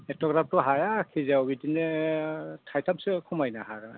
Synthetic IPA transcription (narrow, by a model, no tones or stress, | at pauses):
ɛtɔɡɾap̚tɔɦajakʰizawbidinɛ | tʰajtʰap̚sɛkʰumajnaɦaɡana̰